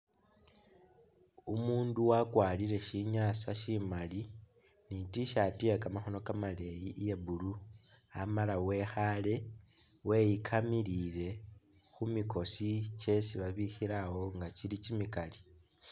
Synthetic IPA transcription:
umuːnduwakwaːliɾe̞ʃiɲaːsaʃimali | nitiʃatiakamaxo̞no̞kamale̞jiʔje̞bulu | amalawe̞xale̞ | we̞jikʰamilile̞xumiko̞sit͡ʃe̞siβaβixiɾawo̞ŋɡat͡ʃilicimikali

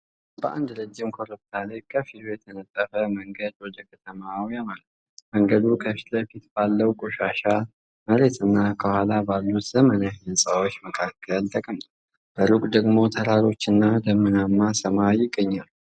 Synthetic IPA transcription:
bəʔa̰nd̪ɾəd͡ʒːɪmkʰoɾop̪alajkʰəfit̪ʰujɛt̪ʰənət̪ʼːəfəməŋɡəd̪wɔd̪əkʰət̪ʰəmawjamalət̪ | məŋɡəd̪ukʰəfi̥t̪ləfit̪b̥alːəwkʼoʃaʃa | məɾe̞t̪ʰʼɨnːakʰəhʷalabalːut̪zəmənahnəsʼawot͡ʃːməkʰakʰːəlt̪ʼəkʼəmt̪ | b̥əlukʼd̪əɡmo̞t̪ʰəɾaɾo̞t͡ʃːɪnːad̪əmːɨnamːasəmajɪɡːəɲːalu

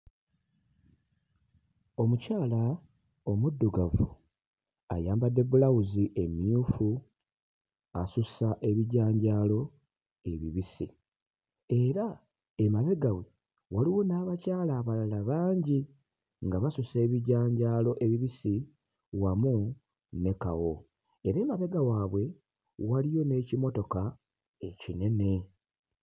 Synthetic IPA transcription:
o̞mucaːla | o̞mudːuɡavṵ | a̰jaːmbadːe̞bulawuziʔe̞miufu | asusaʔe̞βiɟaːɲɟaːlo̞ | e̞βiβisḭ | e̞ɾa | emaβe̞ɡawe | waliwo̞naːβacaːlaːβalalaβaːɲɟi | ŋɡaβasuse̞ːβiɟaːɲɟaːlo̞ʔe̞βiβisi | wamu | ne̞kawo̞ | eɾe̞ːmaβe̞ɡawaːβwe̞ | walijo̞ne̞cimo̞to̞ka | e̞cine̞ne̞

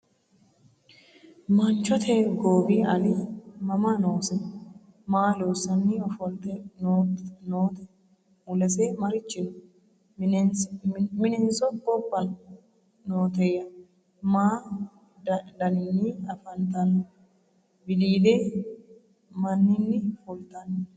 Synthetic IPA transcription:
mɐnt͡ʃɔt̪ʰɛɡoːbiːɐlɪmɐmɐnoːsɛ | maːlo̞ːsɐnːiɔfɔlt̪ɛnoːnoːt̪ɛ | ʊlɐsɛmɐɾɪt͡ʃːɪnʊ | nmɪnɛnsɔbɔbːɐ | noːt̪ɛjɐ | maː | d̪ɐnɪnːiːɐfɐnt̪ɐn | bɪliːd̪eː | mɐnːɪnːɪfʊlt̪ɐnː

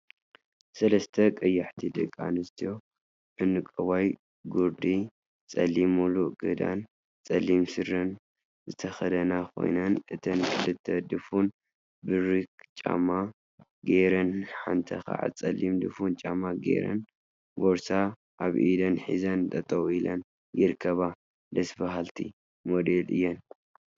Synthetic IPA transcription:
sɐlɐst̪ʰɐkʼɐjːaħt̪ʰid̪ɨ̰kʼːa̰nɨst̪ʰijo̞ | ʔɨnɨkʼɐwaj | ɡuɾd̪i | t͡sʼɐlːimuluʔɡɨd̪a̰n | t͡sʼɐlimsɨɾɐn | zɨt̪ʰɐxɐd̪ɐnakʰo̞̰jnɐnʔɨt̪ʰɐnkʰɨlɨt̪ʰːɐd̪ɨfun | bɨɾɨkt͡ʃʼa̰ma | ɡeɾɐnħa̰nt̪ʰɐ̰xa̰ʕa̰t͡sʼɐlːimd̪ɨfunt͡ʃʼamaɡḛɾɐ̰n | boɾsa | ʔaβʔid̪ɐnħḭzɐnt̪ʼɐt̪ʼɐwilɐn | jɪɾkʰːɐβa | d̪ɐsbaɦalt̪ʰḭ | mod̪elʔɨ̰jːɛn

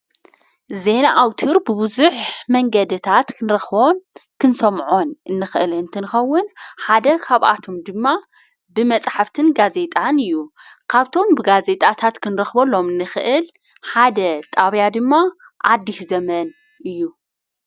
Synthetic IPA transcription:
ze̞naʔawt̪ʰɨɾbɨbɨzuħmɐŋɡɐd̪ɨt̪ʰat̪kʰɨnɾɐxβonkʰɨnsɐmʕonʔɨnːɨxɨʔɨlɨnt̪ʰɨnɨxɐwːʊnħad̪ɐkʰaβʔa̰t̪ʰo̞md̪ɨmːa | bɨmɐt͡sʼħaft̪ʰɨnɡaze̞t̪ʼanɨjːu | kʰaβt̪ʰo̞mbɨɡaze̞t̪ʼat̪ʰat̪kʰɨnɾɐxbɐlo̞mɨnːɨxɨʔɨl | ħad̪ɐt̪ʼaβjad̪ɨmːa | ʔad̪ːiʃzɐmɐn | ʔɨjːu

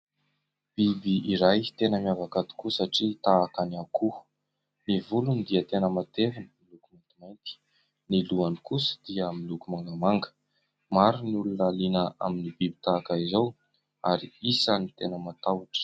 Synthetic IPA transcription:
b̥ibiiɾajt̪enəmiavakat̪u̥kusaʈ͡ʂit̪aːkanakʰu | nivulunid̪iət̪enəmat̪evinəmilukumant̪imajnt̪i̥ | niluanikusə̥d̪̥iəmilukumaŋɡamaŋɡə̥ | maɾinulunalinəa̰minibibi̥t̪aːkaizow | a̰ɾiisanit̪enəmat̪awaʈ͡ʂə̥

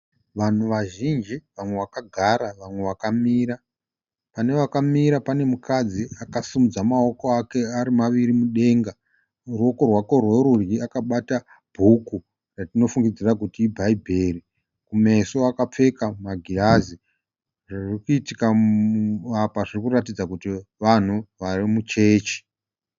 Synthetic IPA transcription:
ʋan̤uʋaʒind͡ʒiʋamwe̞ʋakaɡʱaɾaʋamwe̞ʋakamiːɾa | pane̞ʋakamiɾapane̞mukad͡ziakasimud͡zamao̞ko̞ake̞aɾimaʋiɾimuɗe̞ːŋɡa | ruo̞ko̞rwako̞rweɾurjiakaɓata | b̥ʱuku | ratino̞fuŋɡid͡zirakutiːbʱaibʱe̞ːri | kumeso̞akap͡fe̞kamaɡʱiazi | ʐirikuitika | apaʐirikuratid͡zakutiʋan̤uʋarimut͡ʃe̞ːt͡ʃi̥

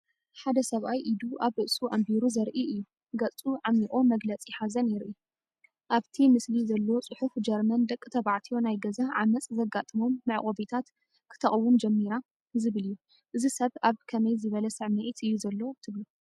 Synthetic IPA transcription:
ħad̪ɐsɐβʔajʔid̪uʔaβɨʔsuʔambiɾuzɐɾʔiʔɨjːu | ɡɐt͡sʼuʕamiʔʼomɐɡlɐt͡sʼjɪħazɐnjɪɾʔi | ʔaβt̪ʰimɨslizɐlːo̞t͡sʼɨħufd͡ʒɐɾmɐnd̪ɐkʼːɨt̪ʰɐβaʕt̪ʰijo̞najɡɐzaʕamɐt͡sʼzɐɡat̪ʼɨmo̞mːɨʕχʼoβit̪ʰat̪ | kʰɨ̥t̪ʰɐχʼwumd͡ʒɛmːiɾa | zɨβɨlijːu | ʔɨzisɐβaβkʰɐmɐjzɨβɐlɐsɨʕmet̪ɨjːuzɐlːo̞t̪ʰɨβlu

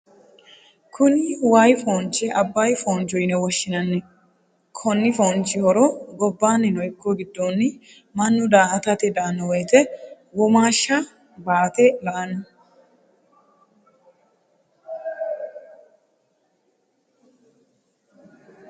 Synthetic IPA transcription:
kʰʊnɪwaːjfoːnt͡ʃːɛʔɐbːaːjfoːnt͡ʃɔjnɛwɔʃːɪnɐnːɛ | kʰɔnːɪfoːnt͡ʃːɪhɔɾɔɡɔbːaːnːɪnɔjkːɔɡɪd̪ːoːnːɪ | mɐnːʊd̪aːʔɐt̪ɐt̪ɛd̪ɐnːɔwɔjt̪ɛ | wɔmaːʃːɐ | baːt̪ɛlɐʔɐnɐ

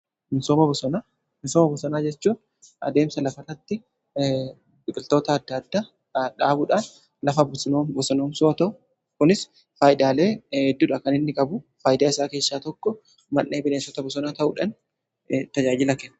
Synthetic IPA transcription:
mɪsoːmɐbɔsɔnaː | mɪsoːmɐbɔsɔnaːd͡ʒɛt͡ʃːuːn | ʔɐ̰d̪e̞ːmsɐlɐfɐrɐt̪ːɪ | bɪkʼɪlt̪o̞ːt̪ɐːd̪ːɐd̪ːaː | ᶑaːbʊᶑaːn | lɐfɐbʊsnoːmbɔsɔnoːmsoʔɐt̪ɐʔʊ | kʊnɪs | faːjɪd̪aːle̞ːɛd̪ːuːᶑɐkɐnɪnːɪkʼɐbʊfaːjɪd̪aːɪsaːke̞ːʃːaːt̪ɔkːɔ | mɐnːeːbɪneːnsɔt̪ɐbɔsɔnaːt̪ɐʔʊᶑɐn | t̪ɐd͡ʒaːd͡ʒɪlɐkɛnː

